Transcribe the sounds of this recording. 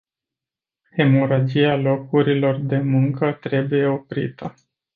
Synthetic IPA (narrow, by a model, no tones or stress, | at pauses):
he̞moɾad͡ʒialo̞kuɾilo̞rd̪e̞muŋkət̪ɾe̞buje̞o̞pɾḭt̪ʰə